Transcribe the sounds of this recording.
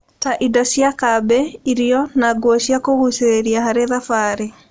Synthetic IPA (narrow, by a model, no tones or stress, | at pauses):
taʔidɔʃjakabɛiɾiɔnaɡwoʃjakoɣuseɾeɾiahaɾeðafaɾe